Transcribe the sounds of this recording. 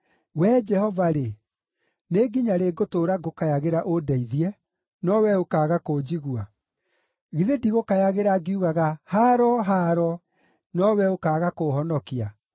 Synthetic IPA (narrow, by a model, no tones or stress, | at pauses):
wɛd͡ʒɛhɔvaɾe | neɡiɲaɾeɡotoɾaɡokajaɣeɾaʔodɛiðiɛ | nɔwɛokaːɣakod͡ʑiɣwa | ɣiðediɣokajaɣeɾaɡiuɣaɣahaɾɔɦaɾɔ | nɔwɛokaːɣakoɦɔnɔkia